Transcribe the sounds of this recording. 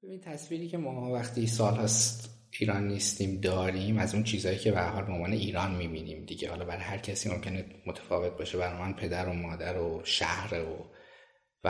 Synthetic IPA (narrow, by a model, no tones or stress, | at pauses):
bebint̪ʰæsviːɾiːcʲʰe̞mɒːvæxt̪ʰiːsɒːlhɒːst̪ | iːɾɒːnːist̪iːmd̪ɒːɾiːmæzuːnt͡ʃʰiːzɒːjiːcʰebehæɾɦɒːlbeonvɒːne̞iːɾɒːnmiːbiːniːmd̪iɟehɒːlɒːbæɾɒːjhæɾcʰæsiːmo̞̰mcʰe̞nemot̪ʰæ̥fɒːve̞t̪̚beʃebæɾɒːjmænpʰe̞d̪æɾo̞mɒːd̪æɾoʃæ̰hɾeo | væ